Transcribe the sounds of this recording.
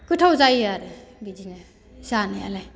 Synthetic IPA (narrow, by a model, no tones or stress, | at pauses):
kutʰawzajaɾebid͡ʒina | sanaja̰la